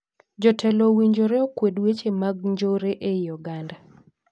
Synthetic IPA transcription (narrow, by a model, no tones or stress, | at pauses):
d͡ʒɔtʰɛlowiɲd͡ʒoɾeokwedwet͡ʃemaɡ̚ɲd͡ʒoɾeʔejɔɡanda